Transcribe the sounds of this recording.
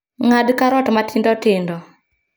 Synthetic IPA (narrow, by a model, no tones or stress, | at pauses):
ŋadkaɾɔtmatɪndɔtɪndɔ